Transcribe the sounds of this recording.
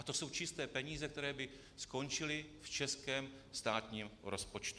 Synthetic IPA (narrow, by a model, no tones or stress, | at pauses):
ʔat̪o̞so̞wt͡ʃɪst̪ɛːpɛɲiːzɛk̚t̪ɛɾɛːbɪ | sko̞nt͡ʃɪlɪft͡ʃɛskɛːm | st̪aːt̪ɲiːmɾʔo̞spo̞t͡ʃt̪u̥